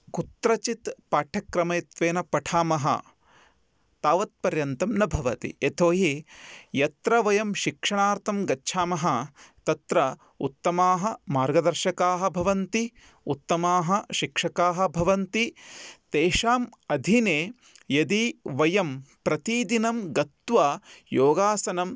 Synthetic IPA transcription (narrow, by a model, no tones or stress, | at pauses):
kut̪ɾɐt͡ʃit̪paːʈʰɐkɾɐmɐjt̪ʋeːnɐpɐʈʰaːmɐɦɐ̰ | t̪aːʋɐt̪̚pɐɾjɐnt̪ɐmnɐbʱɐʋɐt̪ḭet̪ʰoːɦijɐt̪ɾɐʋɐjɐmʃikʂɐɳaːɾt̪ʰɐmɡɐtːʃʰaːmɐɦɐt̪ɐt̪ɾɐ | ut̪ːɐmaːɦɐ̆maːɾɡɐd̪ɐɾʃɐkaːɦɐ̆bʱɐʋɐnt̪i | ut̪ːɐmaːɦɐʃikʂɐkaːɦɐ̆bʱɐʋɐnt̪it̪eːʃaːmɐd̪ʱineː | jɐd̪iʋɐjɐmpɾɐt̪id̪inɐmɡɐt̪ʋaːjoːɡaːsɐnɐm